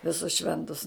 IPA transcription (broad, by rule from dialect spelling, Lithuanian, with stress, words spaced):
ʋʲɪˈsʊs ˈʃʲʋʲɛntʊs